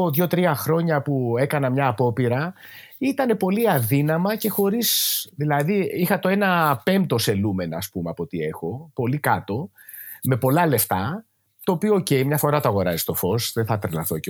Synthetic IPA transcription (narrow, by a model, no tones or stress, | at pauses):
oðʝo̞t̪ɾiɐxɾo̞ɲɐpue̞kɐnɐmɲɐːpo̞piɾɐ | it̪ɐne̞po̞liɐðinɐmɐce̞xo̞ɾizðilɐðiixɐt̪o̞e̞nɐpe̞mt̪o̞se̞lume̞noɐspumeɐpo̞t̪ie̞xo̞po̞likɐt̪o̞ | me̞po̞lɐle̞ft̪ɐ | t̪o̞ːpioːce̞jmɲɐfo̞ɾɐt̪oɐɣo̞ɾɐzi̥st̪o̞fo̞sðeθɐt̪ɾlɐ̰θoc